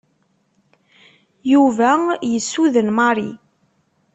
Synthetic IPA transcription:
juvæjəsːuðənmɑɾˤḭ

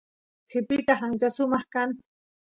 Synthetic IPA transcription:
t͡sɪpɪt̪aχaŋt͡ʃasʊmɑχkaŋ

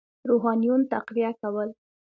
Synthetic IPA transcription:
ɾoɦɑnjunt̪aqwijakawəl

